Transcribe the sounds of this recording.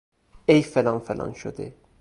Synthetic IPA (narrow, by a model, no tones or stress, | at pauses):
ejfelɑnfelʔɑ̰nʃo̰d̪ḭ